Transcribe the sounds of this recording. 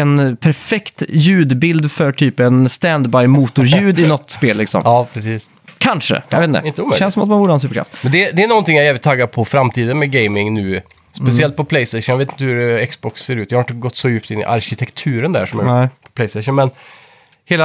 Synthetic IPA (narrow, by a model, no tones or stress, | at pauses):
ɛnpʰæɾfɛkt̪jʉ̟ːd̪bɪld̪fœʈʰyːpɛnst̪ænd̪bajmuːt̪ʊɾjʉ̟ːd̪ɪnɔt̪ːspeːlːɪksɔ̰mɑːpʰɾɛsiːs | kʰanʂə̰jɑ̰vet̪nəɪʃɛnsɔmat̪manvuːɾəhansʉfəkʰɾa̰ft̪mɛnd̪ɛd̪ɛænɔnt̪ɪŋjajæːvlɪt̪ʰːɑːɡaɾpʰɔfɾamt̪ʰiːd̪ənmɛɡeɪmɪŋnʉː | spɛsɪɛlt̪̚pʰɔpʰlɛɪst̪ɛɪɔnjaveːt̪ɪnt̪əhʉɾɛksbɔksːeːɾʉt̪jɑhɾɪt̪əɡɔt̪ːsɔjʉːpt̪ɪnːɪ̰ʔa̰ɾɕɪt̪ʰɛkt̪ʰʉːɾənd̪æ̰ʂɔmjɛpʰɔp̪ʰɛɪst̪ɛɪɕɔnmɛn | heːla